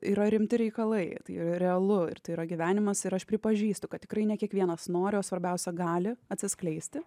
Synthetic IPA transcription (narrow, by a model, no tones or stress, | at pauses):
iɾɐɾʲɪmʲt̪ʲɪɾʲɛɪkɐlˠɐɪt̪ɐɪɾɐɾʲɛɐlˠʊɪ̰rt̪ɐɪiɾɐɡʲiʋʲæːnʲɪmɐsɪɾɐʃpʲɾʲɪpɐʒʲiːst̪ʊkɐt̪̚tʲɪkɾɐɪnʲɛkʲiɛkʋʲiɛnɐsnoːɾʲɪoːsʋɐɾʲbʲɛʊsʲɛɡɑːlʲɪɐt̪ʲsʲɪsklʲɛɪsʲt̪ʲɪ